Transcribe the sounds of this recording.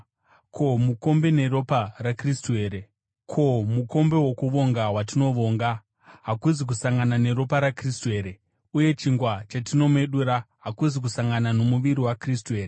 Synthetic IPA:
kʰo̞muko̞mbe̞ne̞ro̞parakristuɦe̞ːɾe̞ | kʰo̞muko̞mbe̞wokuʋo̞ŋɡawat̬ino̞ʋo̞ːŋɡa | ɦakuzik̬usaŋɡanane̞ɾo̞paɾakristuɦe̞ːɾe̞ | uje̞t͡ʃiŋɡwat͡ʃatino̞mwe̞ɗuɾaɦakuzik̬usaŋɡanano̞muʋiɾiwakristue̞ːre

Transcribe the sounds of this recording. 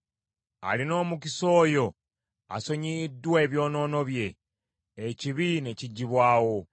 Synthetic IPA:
a̰lino̞ːmukiso̞ːjo̞ | a̰so̞ɲidːweeβjo̞ːno̞ːno̞βje̞ː | ciβine̞ciɟːiβwaːwo̞

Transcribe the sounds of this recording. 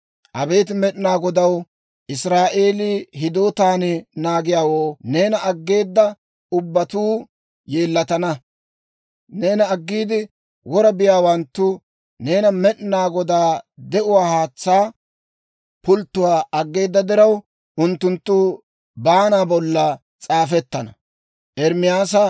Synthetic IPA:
ʔɐbe̞ːt̪̬ɪmɛɗnaːɡɔd̪ɐw | ʔɪsɾaːʔe̞ːliɦɪd̪oːt̪aːnɛnaːɡɪjaːwoːne̞ːnɐʔɐɡːe̞ːd̪ːɐ | ʊbːɐt̪uː | je̞ːlːɐt̪ɐnɐ | neːnɐːɡːiːd̪ɪ | wɔɾɐbɪjaːwɐnt̪ːʊ | ne̞ːnɐmɛʔnaːɡɔd̪aːd̪ɛʔʊwaːhaːt͡sːaː | pʊlt̪ːʊwaːʔɐɡːe̞ːd̪ːɐd̪ɪɾɐw | ʔʊnt̪ːʊnt̪ːʊ | baːnaːbɔlːɐ | t͡sʼaːfɛt̪ːɐnɐ | ʔɛɾmɪjaːs̬ɐ

